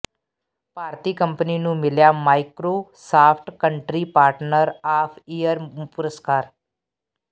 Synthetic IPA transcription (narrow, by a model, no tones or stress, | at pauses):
paːɾt̪iːkə̃mpəninũmɪljaːmaːɪkɾoːsaːpʰʈkə̃ɳʈɾipaːɾʈnəɾaːpʰijəɾpʊɾəskaːɾ